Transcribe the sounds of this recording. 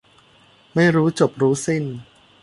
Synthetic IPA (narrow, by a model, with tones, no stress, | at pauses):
ma˥˩jɾuː˦˥t͡ɕo˨˩p̚ɾuː˦˥si˥˩n